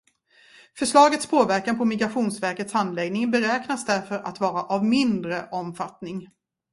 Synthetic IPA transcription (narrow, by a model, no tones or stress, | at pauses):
fœʂɭɑːɡət̪spʰoːvæɾkanpʰɔmɪɡɾaɧuːnsvæɾkət̪shand̪lɛɡnɪŋbɛɾɛːknasd̪æɾfœɾʔa̰t̪vɑːɾaʔavmɪnd̪ɾəʔɔmfat̪nɪŋ